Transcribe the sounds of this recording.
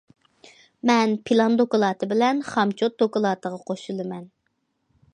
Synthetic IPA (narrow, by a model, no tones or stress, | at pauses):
mɛnpʰilˠɑnd̪okʊlˠɑːt̪ʰɨbɪlɛnχɑmt͡ʃʰot̪̚d̪okɑlˠɑːt̪ʰəʁɑqʰoʃulˠɨmɛn